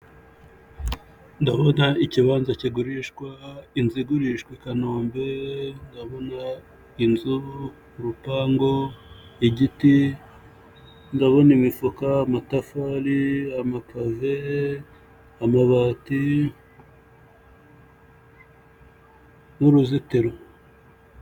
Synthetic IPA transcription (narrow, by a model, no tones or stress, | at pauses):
ndaβonaiciβaːnzaciɡuɾiʃkwainziɡuɾiʃkwikanoːmbendaβo̞na | inzu | ɾupaːŋɡoiɟiti | ndaβonimifukaːmatafaɾiamakave | amaβaːti | nuɾuzitiɾo